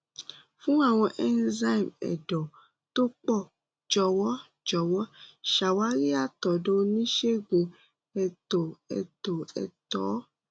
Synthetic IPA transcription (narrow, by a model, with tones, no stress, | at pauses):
fũ˦a˦˨w̃ɔ̃˧ʔɛ˦nza˧i˨mɛ̰˨dɔ˨ | to˦k͡pɔ˦˨ | d͡ʒɔ˧wɔ˦ | d͡ʒɔ˨wɔ˦ʃa˨wa˨˦ɾi˦a˦˨tɔ˨dõ˦nĩ˦ʃe˦˨ɡ͡bũ˧ | ɛ˧˨to˨ɛ̰˨to˨ɛ̰˨tɔː˨˦